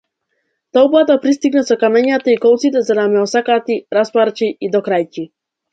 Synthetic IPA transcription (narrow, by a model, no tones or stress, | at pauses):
t̪ɔupˠat̪apɾist̪iɡnasɔkamɛɲat̪aikɔlˠt̪sit̪ɛzanamɛɔsakat̪iɾaspaɾt͡ʃiid̪ɔkɾajci